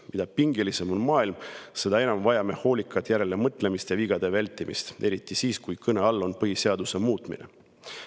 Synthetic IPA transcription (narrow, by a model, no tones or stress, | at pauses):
mid̪̥ɑpiŋɡelise̞mo̞nmɑːilmse̞d̪ɑe̞nɑmvɑjɑme̞ho̞ːlʲikːˑɑt̪jæɾe̞le̞mɤt̪ˑle̞mist̪jɑviɡ̥ɑd̪̥e̞vælʲt̪ːˑimḭst̪e̞ɾit̪ːˑisiːskujkɤne̞ɑlːo̞npɤɦiseɑd̪use̞muːt̪mḭnʔe̞̰